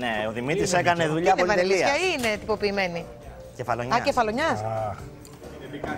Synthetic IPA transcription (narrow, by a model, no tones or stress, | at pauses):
neoðimit̪ɾisekɐneðuʎɐɐpnoɐɾeliisɐɐine̞t̪ipo̞piːme̞ni | cefɐloɲɐɐcefɐloɲɐs